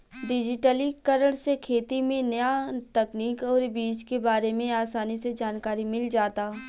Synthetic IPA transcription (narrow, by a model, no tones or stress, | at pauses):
ɖɪd͡ʒɪʈəlikɐɾəɽ̃sekʰeːt̪imẽnɐjat̪ɐkniːkɔːɾbiːt͡ʃkebaːɾemẽaːsaːnised͡ʒaːnkaːɾimɪld͡ʒaːt̪aː